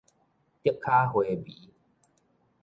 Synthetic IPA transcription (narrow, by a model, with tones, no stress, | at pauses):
t̪ji˥˩k̚kʰːa˦hwe˨bḭ˨˦